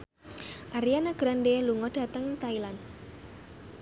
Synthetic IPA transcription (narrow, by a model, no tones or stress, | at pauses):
ʔaɾijanaɡ̥ɾandeluŋɔd̥a̤t̪əŋnt̪ailand̪